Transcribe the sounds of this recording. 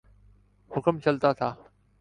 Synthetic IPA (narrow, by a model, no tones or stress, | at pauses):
hʊkəmt͡ɕɐlt̪aːt̪ʰaː